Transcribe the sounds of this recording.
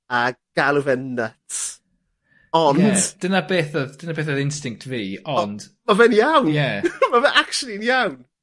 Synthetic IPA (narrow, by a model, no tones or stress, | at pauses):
aɡ̥alˠuvɛnːət | ɔndd̥ənabeːθəðd̥ənabeːθəðɪnstɪŋk̚tʰviːɔnd̥mavɛnijawnjɛmavɛʔakʃəlˠinijawn